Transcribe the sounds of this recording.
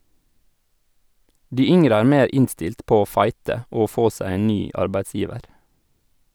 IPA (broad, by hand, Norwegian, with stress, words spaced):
ˈdiː ˈʏŋəɾə ˈæːɾ ˈmeːɾ ˈɪnstɪlt ˈpoː ˈoː ˈfɑɪtə ˈoː ˈfoː ˈsæɪ ˈeːn ˈnyː ˈʔɑɾbæɪtˌsjiːʋəɾ